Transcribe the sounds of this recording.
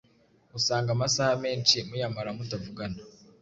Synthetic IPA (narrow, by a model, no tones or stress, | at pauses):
musaːŋɡamasahameːnt͡ʃimujamaɾamutavuɡana